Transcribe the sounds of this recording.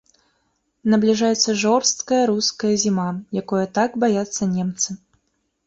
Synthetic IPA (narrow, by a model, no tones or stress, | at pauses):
nɐblʲiʐajɛt̪sːɐʐɔrst̪kɐjɐɾuskɐjɐzʲimajakɔjɐt̪aɡbajat̪sːɐnʲɛmt̪sɨ